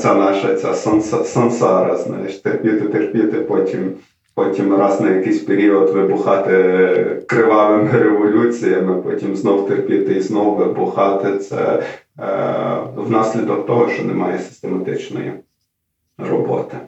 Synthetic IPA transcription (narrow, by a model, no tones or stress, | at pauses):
sʲanɑʃɐt͡sʲa̰sɐnsɐsɐnsɑɾɐ̰znɑ̰jɪʃt̪erpʲit̪ɪt̪erpʲit̪ɪpɔtʲim | pɔtʲimrɑznɐjɐkɪjsʲpeɾʲiɔd̪ʋɪbʊxɑt̪ɪkɾɪʋɑʋɪmɪɾeʋɔlʲut͡sʲijɐmɪpɔtʲimznɔwt̪erpʲit̪ɪiznɔwʋɪbʊxɑt̪ɪt̪sɛ̰ | wnɑsʲlʲid̪ɔk̚t̪ɔɦɔʃt͡ʃɔnɛmɑjɛsɪ̥st̪emɐt̪ɪt͡ʃnɔ̰jḭ | rɔbɔ̰t̪ɪ